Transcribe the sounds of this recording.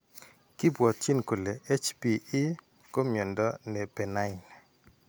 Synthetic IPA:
ki˦bwɔ˨t̪̚t͡ʃi˦nko˨le˨e˦t͡ʃpiː˨˦ | ko˦mjo˨ndɔ˦ne˨pɛ˨na˦ɪ˨n

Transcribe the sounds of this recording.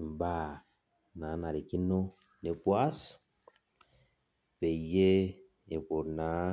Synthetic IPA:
m˨ba˦ | na˨˦na˨ɾi˨ki˦no˦ | ne˨pwa˦s | βe˨je˦ | e˨ko˨na˨˦

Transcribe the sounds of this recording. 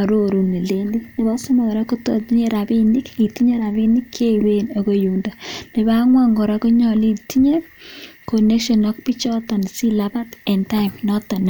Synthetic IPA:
a˨ɾo˦ɾu˨ni˨le˦ndi˦nɪ˨ba˦sʊ˦ma˨ɾa˦ku˦tɔ̰˨ti˦ɲe˦ɾa˨bi˦ni˦ki˨ti˦ɲe˦ɾa˨bi˦ni˦kʰːe˦i˨we˦no˨ko˦ju˨nda˨nɪ˨baŋwa˦ŋɡɔ˨ɾa˦ku˦ɲɔ˨li˦ti˦ɲe˦ko˨ne˦kʃɔ˨nɔ˦k̚pi˦t͡ʃɔ˦ta˨n˨si˦laba˦tɛ˨nta˦ɪmnɔ˦ta˨n˨

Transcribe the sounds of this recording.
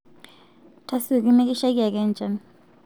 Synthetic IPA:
tʰa˦su˦˨k̬ʼi˦mɛ˦k̬ʼi˦ʃa˦k̬i˦a˨k̬ɛ˦nd͡ʒʱa˨n

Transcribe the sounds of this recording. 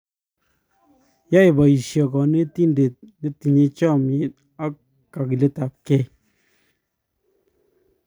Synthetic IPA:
ja˦i˨ba˨i˨ʃjɔ˨kɔ˨ne˦ti˦nde˨t̚ne˦ti˨ɲe˧t͡ʃɔ˦˨mje˨ | a˦ | ka˨ki˨le˦ta˨p̚kɛ˦

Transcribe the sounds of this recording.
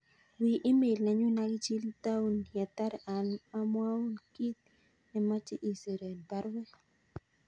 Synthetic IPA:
wi˨ʔi˦me˨lna˨ɲu˦na˦ɡɪ˦t͡ʃi˦lt̪a˦u˦nja˨t̪a˦ɾa˨nma˦mwa˦u˦nki˦t̪̚ | nɛ˨ma˦t͡ʃɪ˦ʔi˦˨se˨ɾe˨npa˦ɾwɛ˦

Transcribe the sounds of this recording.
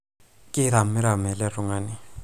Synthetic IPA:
kʼɪ˦ɾa˨m̩˦ɪ˦ɾa˨mɛ˨lɛ˦rʊ˨ŋaː˨nɪ˦

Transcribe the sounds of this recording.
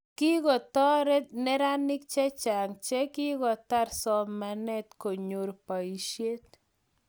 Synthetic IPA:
ki˦ɡɔ˨t̪ɔ˦ɾɛ˦t̪nɛ˦ɾa˦nɪ˦k̚t͡ʃɛ˦t͡ʃa˨ŋt͡ʃɛ˦ki˦ɡɔ˨t̪a˦ɾsɔ˦mmːa˨nɛ˦t̪ko˨ɲo˨ɾpa˨i˨ʃje˦t̪̚

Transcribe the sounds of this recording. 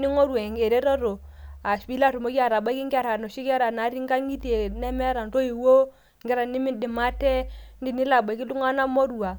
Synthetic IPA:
ni˦ŋo˦ɾwa˨ŋɡe˨ɾe˦ɾɔ˦ɾo˨ | a˨spi˦la˦ɾu˨mo˦kja˨ɾa˨ba˦ki˦ŋɡa˦˨ɾa˨no˨ʃi˦ka˦ɾa˨na˨˦ɾi˦ŋɡa˦ŋi˦te˨nɛ˦mɛ˦ɾa˨n˨to˦i˨wo˦˨ | ŋɡɛ˦ɾa˨ni˦mi˦di˨ma˦tɛ˦ndi˦˨ni˦la˨ba˨ki˦lu˦ŋa˦na˦mo˦ɾu˦˨a˨

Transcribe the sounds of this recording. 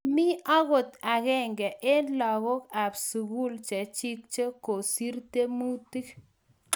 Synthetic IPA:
mi˦a˦ɣo˨t̪a˨ɣɛ˦ŋɡɛ˨ʔe˦lɔ˨ɣo˦ka˨bsu˨ɡu˦lt͡ʃe˨t͡ʃi˦k̚t͡ʃə˦ko˨si˦ɾt̪e˦mu˦t̪i˦k

